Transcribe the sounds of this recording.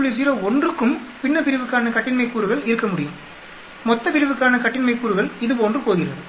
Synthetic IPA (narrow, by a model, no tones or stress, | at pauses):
ɭɪsiːɾɐɔndrɯkːɯmpɪnːɐpɪɾɪʋɯkːaːnɐkɐʈːɪnmɐɪkːuːɾɯɣɐɭɪɾɯkːɐmʊɽɪjɯm | mɔt̪ːɐpɪɾɪʋɯkːaːnɐkɐʈːɪnmɐɪkːuːɾɯɣɐɭɪðɯpoːndrɯpoːɣɪrɐ̰ðɯ